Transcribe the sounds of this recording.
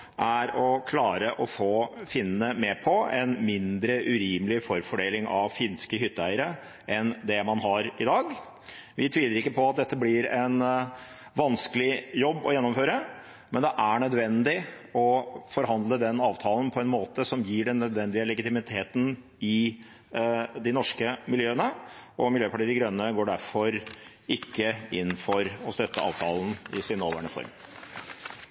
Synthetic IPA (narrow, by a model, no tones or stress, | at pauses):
ʔæɾɔkʰlɑːɾəʔɔfoːfɪnːəmɛpʰɔɛnmɪnd̪ɾəʔʉɾiːməlɪfɔɾfɔɖeːlɪŋʔɑʋfɪnskəɦʏt̪ːəæɪəɾə | ʔɛnd̪ɛmɑnɦɑɾɪd̪ɑːɡ | ʋɪt̪ʰʋiːləɾɪkːəpʰɔɑt̪̚d̪ɛt̪ːəblɪɾɛn | ʋɑnskəlɪjɔbːɔ̰jɛnːɔmføːɾə | mɛnd̪ɛʔæɳœd̪ʋɛnd̪ɪɔfɔɾɦɑnd̪ləd̪ɛnɑːʋt̪ʰɑːln̩pʰɔɛnmoːt̪əsɔmjiːɖɛnːœd̪ʋɛnd̪ɪəlɛɡɪt̪ɪmɪt̪ʰeːt̪n̩ | ɪ | d̪ɪnɔʂkəmɪljøːənəʔɔmɪljøːpʰɑʈiːd̪ɪɡɾœnːəɡoːɖæɾfɔɾ | ɪkːəɪnːfɔɾɔst̪œt̪ːəɑ̰ːʋt̪ʰɑ̰ːln̩ɪsɪnoːʋæ̰ɳəfɔ̰ɾm